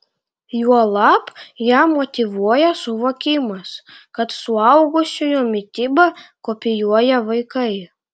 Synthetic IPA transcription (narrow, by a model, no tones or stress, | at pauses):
juɔlˠɑːpjæːmot̪ʲɪʋuɔjɛsʊʋoːkʲɪmɐskɐt̪sʊɐʊɡʊsʲʊjumʲɪt̪ʲɪbɐkopʲɪjuɔjɛʋɐɪkɐɪ